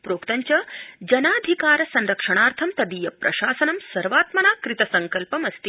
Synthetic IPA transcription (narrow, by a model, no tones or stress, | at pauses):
pɾoːkt̪ɐɲt͡ʃɐd͡ʒɐnaːd̪ʱikaːɾɐsɐnɾɐkʂɐɳaːɾt̪ʰɐmt̪ɐd̪iːjɐpɾʔɐ̰ʃaːsɐnɐmsɐɾʋaːt̪mɐnaːkɾit̪ɐsɐŋkɐlpɐmɐst̪i